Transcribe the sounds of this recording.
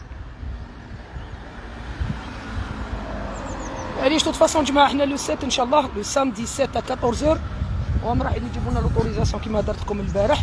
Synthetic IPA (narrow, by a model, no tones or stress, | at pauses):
æliʃt̪ut̪ːfɑsˤɔ̃nʒmaʕəħnælusɛt̪ənʃæʔlˤːɑhlusɑmd̪isɛt̪ːækɑt̪ˤɔɾzəɾwæmɾˤɑħəlnid̪ibunælot̪uɾizɑsjɔ̃kimæd̪ɑɾˤt̪kʊməlbæɾəħ